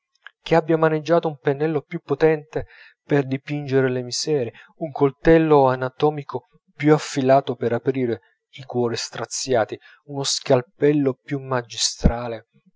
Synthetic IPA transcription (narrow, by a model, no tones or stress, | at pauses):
k̟eabːjamaned͡ʒːaːt̪oumpenːɛlːopjupːot̪ɛnt̪e | perd̪ipind͡ʒeɾelemizɛːɾe | uŋkolt̪ɛlːoanat̪ɔːmikʰo | pjuafːilaːt̪opeɾapɾiːɾe | ikwɔːɾist̪ɾat̪sːjaːt̪i | unoskalpɛlːopjumad͡ʒist̪ɾaːle